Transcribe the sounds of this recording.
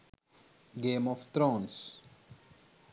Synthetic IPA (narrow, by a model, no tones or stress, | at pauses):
ɡẽːmɔft̪ɾɔ̃ns